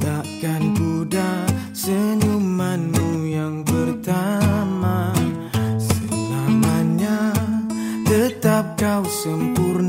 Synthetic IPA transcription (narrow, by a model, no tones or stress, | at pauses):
t̪aʔkanɡudasəɲumanmujaŋpərt̪ama | səlamaɲa | t̪ət̪ap̚kawsəmpur